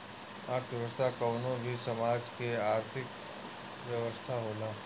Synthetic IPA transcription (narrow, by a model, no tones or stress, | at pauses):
aːɾt̪ʰəʋəst̪ʰakɔːnõbʱisɐmaːd͡ʒkeaːɾt̪ʰɪk | ʋjɐʋəst̪ʰaɦoːlaː